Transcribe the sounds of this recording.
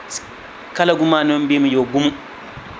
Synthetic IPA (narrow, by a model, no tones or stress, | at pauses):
s | kalaɡumaːnɔmbimujoɡumu